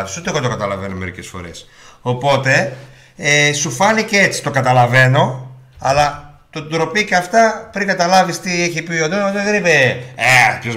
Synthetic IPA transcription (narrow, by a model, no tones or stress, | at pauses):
tisot̪eɣot̪okɐt̪ɐlɐve̞no̞me̞ɾḭce̞sfo̞̰ɾe̞̰s | o̞po̞t̪e̞ | esufɐnicee̞t͡si̥t̪o̞kɐt̪ɐlɐve̞no̞ | ɐ̰lɐt̪od̪ɾo̞piceɐft̪ɐpɾiŋɡɐt̪ɐlɐvist̪ieçipioðoot̪eðenipeepçoz